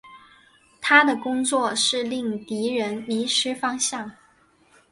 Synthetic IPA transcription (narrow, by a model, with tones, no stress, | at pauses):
t̪ʰa˥d̪ə˨kʊ˥ŋt͡swɔ˥˧ʂɻ̩˥˧li˥˩ŋt̪i˧˥ɻə˧˥nli˧˥ʂɻ̩˥fɑ˥ŋɕjɑ˥˩ŋ